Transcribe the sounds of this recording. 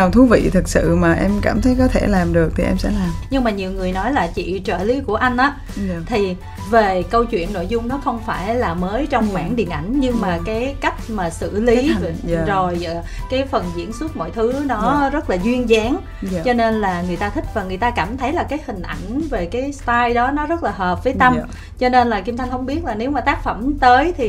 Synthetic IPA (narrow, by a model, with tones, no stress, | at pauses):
a˨˩t̪ʰu˨˦vḭ˧˨t̪ʰɨ˨˩k̚sɨ̰˧˨maː˨˩ʔɛ˧mka̰ː˧˩mt̪ʰə˨˦jkɔ˨˦t̪ʰe˧˩laː˨˩mɗɨ˨˩ək̚t̪ʰi˨˩ʔɛ˧msɛ̰˧˥laː˨˩mɲɨ˧ŋmaː˨˩ɲi˨˩əwŋɨ˨˩əjnɔ˨˦jlaː˨˩t͡ɕḭ˧˨t͡ɕə̰ː˧˩li˨˦ku˧˩əʔa˧jŋ̟ʔaː˨˦ | t̪ʰi˨˩ | ve˨˩kə˧wt͡ɕwḭ˧˨ənːo̰˧˨jzʊ˧ŋ͡mnɔ˨˦xə˧wŋ͡mfaː˧˩jlaː˨˩məː˨˦jt͡ɕɔ˧wŋ͡mxwaː˧˩nɗḭ˨˩ənʔa˧˩jŋ̟ɲɨ˧ŋmaː˨˩kaː˨˦jka˦˥jk̟̚maː˨˩sɨ̰˧˨li˨˦˨zo˨˩j | kaː˨˦jfə˨˩nzḭ˧˥ənsu˦˥ət̚mo̰˧˨jt̪ʰɨ˨˦˨nɔ˨˦zə˦˥t̚laː˨˩zwi˧ənzaː˨˦ŋ | t͡ɕɔ˧ne˧nlaː˨˩ŋɨ˨˩əjt̪aː˧t̪ʰï˥k̟̚vaː˨˩ŋɨ˨˩əjt̪aː˧kaː˧˩mt̪ʰə˨˦jlaː˨˩kaː˨˦jhï˨˩ŋ̟ʔa˧˩jŋ̟ve˨˩kaː˨˦jst̪aː˧jɗɔ˨˦nɔ˨˦zə˦˥t̚laː˨˩ɦəː˨˩p̚vəː˨˦jt̪ə˧m | t͡ɕɔ˧ne˧nlaː˨˩ki˧mt̪ʰa˧jŋ̟hə˧wŋ͡mɓi˦˥ət̚laː˨˩ne˨˦wmaː˨˩t̪aː˦˥k̚fə˧˩mt̪əː˨˦jt̪ʰi˨˩